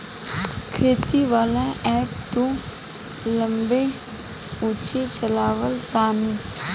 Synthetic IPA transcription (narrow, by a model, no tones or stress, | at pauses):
kʰeːt̪iʋaːlaʔɛːpt̪õ | lə̃mbe | uːt͡ʃet͡ʃəlaːʋəlt̪aːni